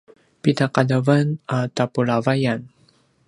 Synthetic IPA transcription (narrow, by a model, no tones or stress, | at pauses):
pitaqadavanatapulavajan